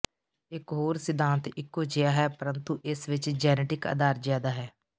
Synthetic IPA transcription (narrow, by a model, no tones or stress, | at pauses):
ɪkɦoːɾsɪd̪ʱãːnt̪ɪkːot͡ʃɪjaːɦɛːpəɾənt̪uʔɪsʋɪt͡ʃd͡ʒɛːneːʈɪkə̰d̪aːɾzjaːd̪aːɦɛː